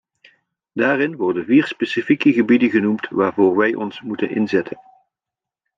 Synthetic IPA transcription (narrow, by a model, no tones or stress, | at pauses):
d̥aːrɪnʋɔɹdənviːɹspesifikəɣəbidəɣənumtʋaːɹvoːɹʋɛjʔɔ̰nsmutənɪ̰nzɛtʰən